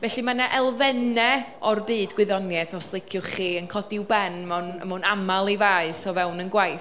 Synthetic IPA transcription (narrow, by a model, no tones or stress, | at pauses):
vɛɬɨmanaʔɛlˠvɛnɛɔrbɨːdɡwɪðɔnjɛθɔslˠɪkʰjʊχiːənkʰɔdɪwbɛnmanmanamalˠivaɨsɔvɛwnənɡwajθ